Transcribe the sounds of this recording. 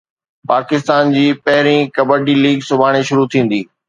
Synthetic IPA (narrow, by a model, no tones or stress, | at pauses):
paːkɪs̬t̪aːnd͡ʑiːpɐɦɪɾĩkɐbəʈiliːɡsʊbʱaːɽ̃eʃʊɾut̪ʰĩːn̆d̪iː